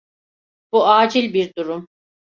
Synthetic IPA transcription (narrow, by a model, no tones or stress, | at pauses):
b̥uaːd͡ʒilʲbiɾd̪uɾum